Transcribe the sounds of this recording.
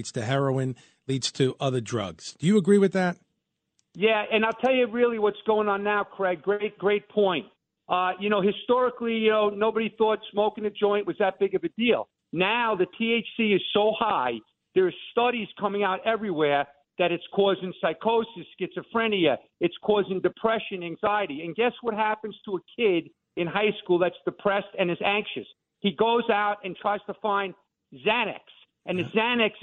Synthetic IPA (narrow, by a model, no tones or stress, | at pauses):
dz̥tʰɨɦɛɹoʊɪ̃n | lidz̥tʰɨʔʌðə˞dɹʌ̰ɡz̥d̥ɨjɨːɡɹiwɨðæt̚ | jæɨ̃naɪlˠtʰɛlˠjɨɹɪlˠiwʌtsɡ̥oʊɪ̃ŋə̃nːaʊkʰə˞ɛɡ̥ɹeɪt̚ɡ̥ɹeɪt̚pʰɔ̃ɪ̃nt̚ | ʔʌjɨñoʊhɨstɔɹɨklijɨnoʊnoʊbɨɾiθɔtsmoʊkɪ̃ŋɨd͡ʒɔ̃ɪ̃nʔwʌzðɨt̚b̥ɪɡʌvɨdilˠ | naʊðɨtʰieɪt͡ʃsiɨz̥soʊhaɪ | ðə˞ɨz̥stʌɾiz̥kʰʌ̃mɪ̃ŋaʊɾɛvɹiwɛɹ | ðɨɾɨtskʰɔzɪ̃ŋsaɪkʰoʊsɨsɡ̥ɪtsɨfɹɛ̃niɨ | ɨtskʰɔzɪ̃ŋdɨpʰɹ̥ɛʃɨ̃næ̃ŋzaɪɨɾiɨ̃nɡɛswʌt̚ɦæpɨ̃nz̥tʰəəkʰɪɾ | ɨ̃nɦaɪskulˠðɨtsd̥ɨpʰɹ̥ɛstɨ̃nɨzæ̃ŋkʃɨs | hiɡoʊzaʊɾɨ̃ntʰɹ̥aɪz̥tʰəfãɪ̃n | zæñɨ̰ks | ɨ̃nðɨzænɨks